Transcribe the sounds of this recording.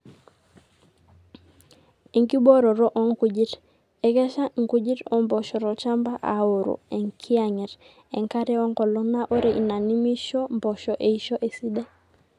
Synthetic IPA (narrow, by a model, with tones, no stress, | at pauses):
i˨ŋki˦bo˦ɾo˨ɾo˦ʔɔ˦ŋku˨ɟi˦ɾ | e˨ke˦ʃa˦ŋ̩˨ku˦ɟi˦ɾɔ˨mbo˨ʃɔ˨ɾo˨t͡ʃa˦mba˦ʔa̰˨o˨ɾo̰˨e˨ŋkʰi˦a˨ɲɛ˨ɾ | e˨ŋka˦ɾe˦ɔ˦ŋko˨lo˦na˦ʔo˦ɾe˨ʔi˨na˨ni˦mi˦ʃo˦mbo˨ʃo˨ʔe˨i˦ʃo˦ʔe˨si˦de˦